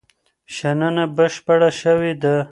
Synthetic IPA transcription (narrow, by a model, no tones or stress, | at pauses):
ʃananabəʃpaɽaʃəwid̪a